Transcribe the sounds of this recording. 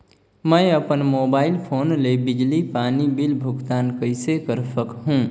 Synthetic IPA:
məɪəpənmoːbaːɪlpʰoːnlebɪd͡ʒlipaːnibilbʱʊɡt̪aːnkəɪsekəɾsəkɦũː

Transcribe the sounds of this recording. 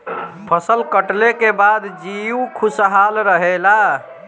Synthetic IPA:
pʰəsəlkəʈlekebad̪d͡ʒiukʰusɦalɾəɦela

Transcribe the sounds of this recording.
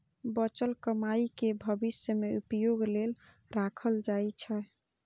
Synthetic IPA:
bət͡ʃəlkəmaikebʱəbisjəmeupjoɡlel | ɾakʰəld͡ʒaet͡ʃʰɛ

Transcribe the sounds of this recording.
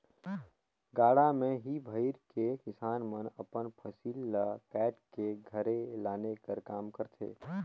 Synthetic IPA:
ɡaːɽamẽɦibʱəɪɾkekɪsaːnmənəpənpʰəsiːlːəpɛːʈkeɡʱəɾelaːnekəɾkaːmkəɾt̪ʰḛː

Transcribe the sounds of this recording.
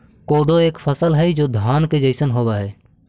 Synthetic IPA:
koːd̪oeːkfʰəsəlɦɛd͡ʒoːd̪ʱaːnked͡ʒəɪsənɦoːbaɦɛː

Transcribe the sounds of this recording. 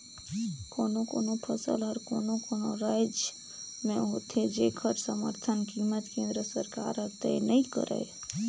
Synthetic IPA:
koːnokoːnopʰəsə̰lɦəɾkoːnokoːnoɾaːɪd͡ʒ | mẽɦoːt̪ʰed͡ʒeːkʰəɾsəmə̰ɾt̪ʰənkiːmət̪kẽːnd̪ɾəsəɾka̰ːɾəɾt̪ənəĩkə̰ɾḛː

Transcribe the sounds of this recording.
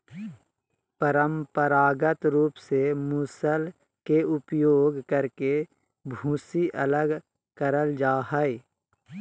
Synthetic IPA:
pəɾəmpəɾaːɡət̪ɾuːpsemuːsəl | keʊpjoːɡkəɾke | bʱũːsiʔələɡ | kəɾəld͡ʒaːɦəe

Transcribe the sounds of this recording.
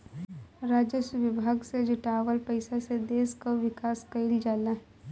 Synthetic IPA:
ɾaːd͡ʒjəsəʋɪbʱaːɡsed͡ʒʊʈaːʋəlpəɪsased̪eːskoʋɪkaːskɐɪld͡ʒaːlaɦɛ

